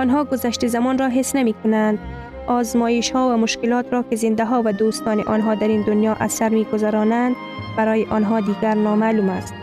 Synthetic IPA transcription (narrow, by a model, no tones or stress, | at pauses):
ɔnɦɔːɡʊzaʃt̪ɪzamɔnɾɔɦɪsnamiːkʊnand̪ | ɒːzmɔːɪʃhɔːwamʊʃkɪlɒːt̪ɾɔkɪzɪnd̪aɦɔwad̪oːst̪ɒːnɪʔɔnɦɒːd̪aɾiːnd̪ʊnjɒːʔasaɾmiɡʊzaɾɔnand̪ | baɾɔːjɪʔɔnɦɒd̪iːɡaɾnɒːmalumast̪̚